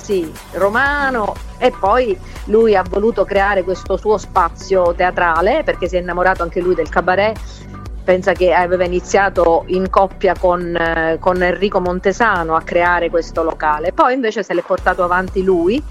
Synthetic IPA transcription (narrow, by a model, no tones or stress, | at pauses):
si | romaːno | epːɔj | lujavːoluːt̪okɾeaːɾekwest̪osuːospat̪sːjot̪eat̪ɾaːleperk̟es̬iɛinːamoɾaːt̪oaŋk̟elujd̪elkabaɾɛ | pɛnsak̟eaveːvainit̪sːjaːt̪oiŋkɔpːjakonkonɛnrːiːkomont̪ezaːnoakːɾeaːɾekwest̪olokaːlepɔjiɱveːt͡ʃeselɛpːort̪aːt̪oavant̪iluːi